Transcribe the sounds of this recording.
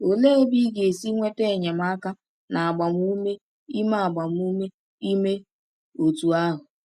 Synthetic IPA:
o˨le˦e˦bi˦ɡe˨si˦ŋʷe˦te˦˨ɲe˨m̩˦a˦ka˦ | na˨a˨ɡ͡ba˨m̩˦u˦me˦ | i˦ma˦a˨ɡ͡ba˨m̩˦u˦me˦ | i˦me˦ | o˨tu˨a˦ɦʊ˨

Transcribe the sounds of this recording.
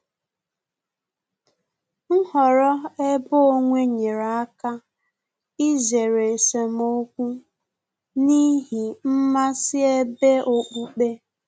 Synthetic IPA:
ŋ̩˦ɦɔ˨ɾɔ˦e˦bo˦o˦ŋʷe˦ɲe˨ɾa˨a˦ka˦ | i˦ze˨ɾe˨se˨m˦o˦kʷu˦ | ni˦ɦi˨m̩˦ma˦sɪ˦e˦be˦ʔo˦k͡pu˦k͡pe˦

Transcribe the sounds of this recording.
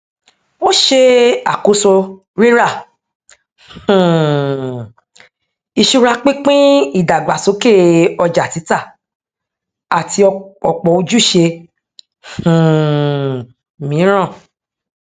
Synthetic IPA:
o˦ʃe˧a˨ko˨˦so˧ | ɾi˦ɾa˦˨ | i˧ʃu˧ɾa˧k͡pĩ˦k͡pĩ˦i˦˨da˨ɡ͡ba˨so˨˦ke˦˨ɔ˧d͡ʒa˨ti˨˦ta˦˨ | a˨tʰi˧ɔ˧ɔ˨k͡pɔ˨o˧d͡ʒu˦˨ʃe˧˨ | mĩ˨˦ɾ̃ã˦˨

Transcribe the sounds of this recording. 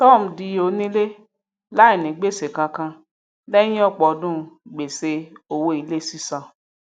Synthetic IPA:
tɔ˦˨m̩˨di˧o˧˦nĩ˦le˦ | la˦i˨nĩ˨ɡ͡be˦˨se˨kã˧kã˧ | lɛ̃˦ĩ˦ɔ˦˨k͡pɔ˨˦dũ˦˧ɡ͡be˨se˧o˨wo˧i˨˧˦le˦˨si˦sã˧˨

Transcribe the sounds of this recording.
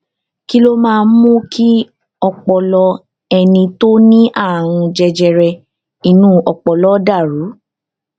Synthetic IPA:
ki˦lo˦mãː˦˧n̩˦mũ˦kʰi˦ | ɔ˧k͡pɔ˧lɔ˧ | ɛ˧nĩ˧to˦nĩ˦ʔa˦˨w̃ũ˧d͡ʒɛ˧d͡ʒɛ˧ɾɛ˧ | i˧nũ˦ɔ˧k͡pɔ˨lɔ˦da˦˨ɾu˨˦

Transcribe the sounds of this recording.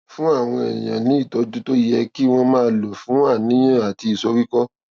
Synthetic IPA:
fũ˦a˦˨w̃ɔ̃˧ɛ̰˨j̃ã˨nĩ˨˦i˦˨tɔ˨˦dũ˦to˦jɛ˧ki˦w̃ɔ̃˧mãː˦˧˦lo˨fũ˨˦a˦˨nĩ˦j̃ã˦˨a˨ti˧i˨sɔ˧˦ɾi˦kɔ˦

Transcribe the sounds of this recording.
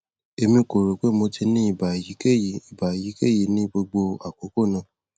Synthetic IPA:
e˧mĩ˧ko˨ɾo˨k͡pe˨˦mo˧tʰi˧nĩ˦i˦˨ba˨ji˨˦ke˦˨i˨ba˨ji˨˦ke˦˨ji˨nĩ˦ɡ͡bo˧ɡ͡bo˧a˨k͡po˨˦ko˦˨nã˨˧˨

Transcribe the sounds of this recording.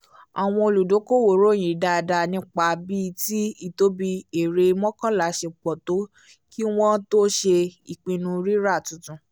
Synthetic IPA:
a˨w̃ɔ̃˧o˧lu˨do˨˦ko˦˨wo˨ɾo˦˨j̃ĩ˨da˧˦˧da˧nĩ˦k͡pa˧bi˦ti˦i˦˨to˦bi˧e˨ɾe˧mɔ̃˦kã˦la˨˦ʃe˧k͡pɔ˨to˨˦ | ki˦w̃ɔ̃˦to˦ʃe˧i˨k͡pĩ˧nũ˧ɾi˦ɾa˦˨tũ˨tũ˨˧

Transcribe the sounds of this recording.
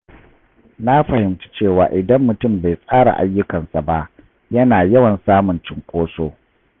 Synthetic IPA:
na˦ɸɐ˨hɪ˨mtḁ˦t͡ʃeː˦˨waː˨ʔɪ˨dɐ˦mːʊ˨tʊ˦˨mba˨jsʼaː˦ɽa̰˨ʔa̰˦jːʊ˦kɐ˨nsa˨ba˦ʔ | jɐ˦naː˨jɐ˦wɐ˨nsaː˦mʊ˨nt͡ʃɪ˦ŋkʷʼoː˦soː˦

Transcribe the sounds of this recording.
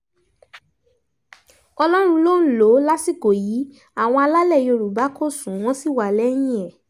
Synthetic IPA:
ɔ˧lɔ˦ɾ̃ũ˧lo˦n̩˦lo˨˦la˦si˦˨ko˨ji˨˦ | a˦˨w̃ɔ̃˧a˧la˦lɛ˦˨jo˧ɾu˨ba˨˦ko˦˨sũ˨˦w̃ɔ̃˦si˦˨wa˨lɛ˦j̃ĩ˦ɛ˦˨

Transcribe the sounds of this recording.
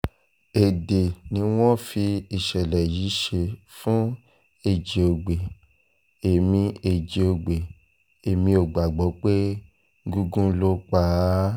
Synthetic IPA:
e˨de˨nĩ˧˦w̃ɔ̃˦fi˧i˨ʃɛ˨lɛ˨ji˨˦ʃe˧fũ˦ | e˦˨d͡ʒe˨o˨ɡ͡be˨ | e˨mĩ˧e˨d͡ʒe˨o˧ɡ͡be˨ | e˨mĩ˧o˨ɡ͡ba˨ɡ͡bɔ˨˦k͡pe˦ | ɡu˧ɡũ˦lo˦k͡pa˦

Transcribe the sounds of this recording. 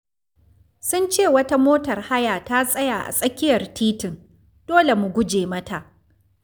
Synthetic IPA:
sʊ˦nt͡ʃeː˦˨wɐ˦ta˦moː˦tɐ˨rha˦jaː˨ta˦sʼɐ˦jaː˨ʔa̰˨sʼɐ˦kʲɪ˦jɐ˨rtʰiː˦tɪ˨n | d̥oː˦le˨mʊ˨ɡʷʊ˦d͡ʒeː˨mɐ˦ta˨ʔ

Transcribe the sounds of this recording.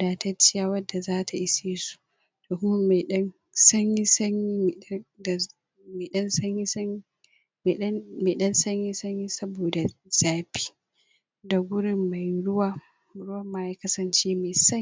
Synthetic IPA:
daː˨tɐ˦t͡ʃɪ˦jaː˨wɐ˦dːa˨zaː˦tʰa˨ʔɪ˦seː˦su̥˨ | toː˨kʊ˦ma˦ma˨ɗɐ˦n | sɐ˦ɲji˦sɐ˦ɲi˦˨˦d | ma˨ɗɐ˦nsɐ˦ɲji˦sɐ˦ | m˨˦ma˨ɗɐ˦nsɐ˦ɲji˦sɐ˦ɲji˦sɐ˦boː˨da˨z̥aː˨ɸi̥ː˦ | da˨ɡʷʊ˦ɽɪ˦mːa˨jɽʊ˦waː˦˨ | ɽʊ˦wɐ˨mːaː˦jaː˦kɐ˦sɐ˨nt͡ʃeː˦ma˨jsɐ˦ɲ˦

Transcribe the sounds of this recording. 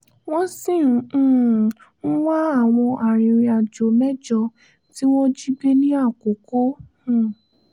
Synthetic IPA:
w̃ɔ̃˦sĩ˦˨˧ | ñ̩˦wa˦a˦˨w̃ɔ̃˧ʔa˨ɾĩ˨ɾĩ˧a˨d͡ʒo˨mɛ˦d͡ʒɔ˧ | ti˦w̃ɔ̃˦d͡ʒi˦be˦nĩ˦a˦˨ko˨kõ˨˦˨

